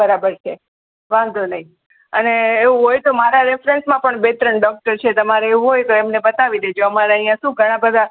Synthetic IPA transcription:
əɾabəɾt͡ʃʰe | ʋãnd̪ʱonəi | əneːʋuɦojt̪omaɾaɾefɾensmãpəɳbet̪ɾəɳɖɔk̚ʈəɾt͡ʃʰet̪əmaɾeeʋũɦojt̪oemnebət̪aʋid̪ed͡ʒoəmaɾaəijãʃũɡʱəɽ̃ãbəd̪a

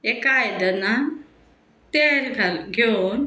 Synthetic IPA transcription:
ekajd̪əna | t̪eɾɡaɡʱon

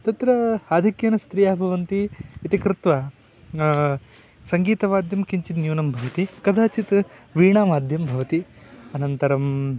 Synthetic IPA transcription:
t̪ɐt̪ɾɐaːd̪ʱikjɐnɐst̪ɾijaːbʱɐʋɐnt̪iːt̪ikɾɪt̪ʋɐ | sɐŋɡiːt̪ɐʋaːd̪jɐmkiɲt͡ʃit̪njuːnɐmbʱɐʋɐt̪ikɐd̪ʱʰaːt͡ʃit̪ʋiːɳaːmaːd̪ʱjɐmbʱɐʋɐt̪i | ɐnɐnt̪ɐɾɐm

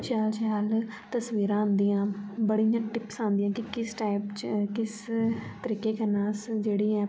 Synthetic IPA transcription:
t͡ʃjaːlt͡ʃjaːl | t̪əsʋiːɾãːnd̪ijãːbəɽiːjãːʈɪpsãːnd̪ɪjãːkɪkɪsʈaːɪpt͡ʃkɪst̪əɾiːkeːkənaːsd͡ʒeːɽiːɛ̃ː

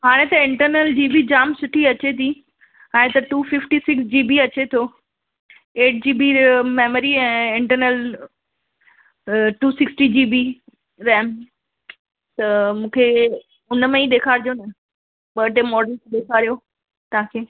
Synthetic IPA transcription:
ɦaːɽ̃et̪ɐɪ̃ɳʈəɾnəld͡ʑiːbid͡ʑaːmsʊʈʰiɐt͡ɕet̪ʰi | ɛ̃ːt̪ɐʈuːfɪfʈisɪksd͡ʑiːbiɐt͡ɕet̪ʰoː | eːʈ̚d͡ʑiːbimeːməɾiɛ̃ːɪ̃ɳʈəɾnəl | ʈuːsɪksʈid͡ʑiːbi | ɾɛːm | t̪ɐmũːkʰe | ʊnmẽiɗ̪eːkʰaːɾd̪ijonɐ | ɓɐʈemɔːɾɖəlkʰeɗ̪eːkʰaːɾijo | t̪ɐɦãkʰeː

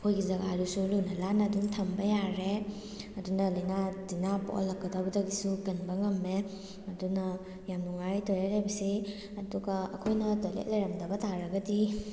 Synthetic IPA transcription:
kʰojɡizɐɡaɾusulunɐlanɐduntʰɐmbɐjaɾe | ɐdunɐlɐjnadinabo̰lɐkːɐdawbɐdɐɡisukɐnbɐŋɐmːe | ɐdunɐ | jamnuŋajtojalajbɐsi | ɐduɡɐɐkʰojnɐdolḛt̚lɐjɾɐmdɐbɐtʰaɾɐɡɐdi

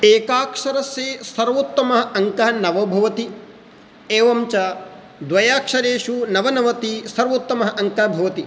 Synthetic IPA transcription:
eːkaːkʂɐɾɐsjeːsɐɾʋot̪ːɐmɐɦɐ̆ɐŋkɐɦɐnɐʋɐbʱɐʋɐt̪i | eːʋɐmt͡ʃɐ | d̪ʋɐjaːkʂɐɾeːʂunɐʋɐnɐʋɐt̪isɐɾʋɐt̪ːɐmɐɦɐ̆ʔɐŋkɐɐbʱɐʋɐt̪i

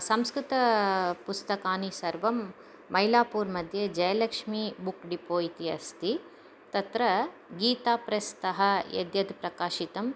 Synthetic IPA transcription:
sɐmskɾɪt̪ɐpust̪ɐkaːnisɐɾʋɐmː | ɐjlaːpuːɾmɐd̪ʱjɐd͡ʒɐjɐlɐkʂmibukɖipoːit̪iɐst̪i | t̪ɐt̪ɾɐɡiːt̪aːpɾɐst̪ɐɦɐjɐ̰d̪jɐd̪pɾɐkaːʃit̪ɐm

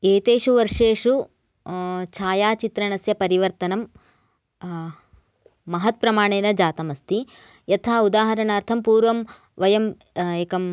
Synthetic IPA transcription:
eːt̪eːʂuʋɐɾʂeːʂu | t͡ʃʰaːjaːt͡ʃit̪ɾɐɳɐsjɐpɐɾiʋɐɾt̪ɐnɐm | ɐɦɐt̪̚pɾɐmaːɳeːnɐd͡ʒaːt̪ɐmɐst̪i | jɐt̪ʰaːud̪aːɦɐɾɐɳaːɾt̪ʰɐmpuːɾʋɐm | ʋɐjɐm | eːkɐm

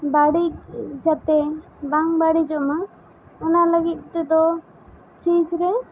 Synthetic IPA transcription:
baɽic̚d͡ʒat̪ɛ | baŋbaɽid͡ʒɔʔma | ɔnaləɡit̪̚ˀt̪ɛd̪ɔ | pɾisɾɛ

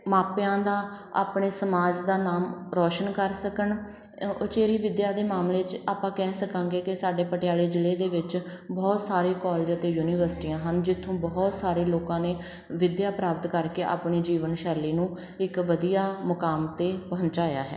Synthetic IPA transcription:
maːpjãːd̪aːa̰ːpɳeːsəmaːd͡ʒd̪aːnaːmɾɔːʃənkəɾsəkəɳ | ʊt͡ʃeːɾiːʋɪd̪jaːd̪eːmaːmleːt͡ʃaːpãːkɛːsəkãːŋɡeːkɪsaːɖeːpəʈjaːleːd͡ʒɪleːd̪eːʋɪt͡ʃ | bɔːt̪saːɾẽːkɔːled͡ʒət̪eːjuːniːʋəɾsʈiːãːɦənd͡ʒɪt̪ʰːõːbɔːt̪saːɾeːloːkãːneː | ʋɪd̪jaːpɾaːpət̪kəɾkeːʔa̰ːpɳiːd͡ʒiːʋənʃɛːɾliːnũː | ɪkʋəd̪ijaːmʊkaːmt̪eːpɦə̃nt͡ʃaːja̰ːɦɛ̰ː

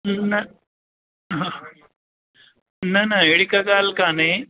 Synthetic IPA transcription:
nɐ | ɦã | nɐnɐeɽikaɡaːlkane

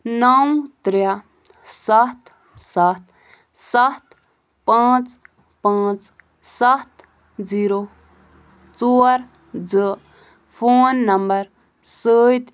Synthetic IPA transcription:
nɐwt̪ɾja | sɐt̪ | sat̪ | sɐt̪ | pãːt͡s | pãːt͡s | sɐt̪ | d͡ziːɾo | t͡soːɾ | d͡zə | fʰoːnːɐmbɐɾ | səːt̪

